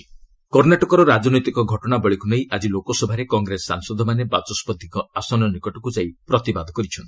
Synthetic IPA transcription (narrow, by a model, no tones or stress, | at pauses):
kɔɾnaʈɔkɔɾɔɾad͡ʒɔnɔjt̪ikɔɡʱɔʈɔɽ̃abɔɭikunejʔad͡ʒilokɔsɔbʱaɾekɔŋɡɾesːa̰ŋsɔd̪ʱɔmanebat͡ʃɔspɔd̪ʱikɔasɔnɔnikɔʈɔkud͡ʒaipɾɔt̪ibad̪ʱɔkɔɾit͡ʃʰɔnt̪i